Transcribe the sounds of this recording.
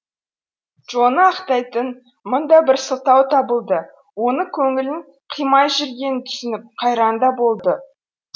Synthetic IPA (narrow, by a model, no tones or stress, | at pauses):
ʒ̥o̞nəɑqt̪ɑjt̪ən | mʊnd̪ɑbɪɾsəlˠt̪ɑwt̪ʰɑbəlˠd̪ə | wo̞nəkʲʰɵŋɪlɪŋ | qʰijmɑjʒʏɾɡʲe̞nɪt̪ʰʏ̥sɪnɪp̚qʰɑjɾɑnd̪ɑbo̞lˠd̪ə